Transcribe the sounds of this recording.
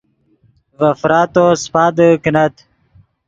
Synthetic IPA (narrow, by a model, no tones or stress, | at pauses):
vɐfɾaːt̪ospaːd̪əkinɐt̪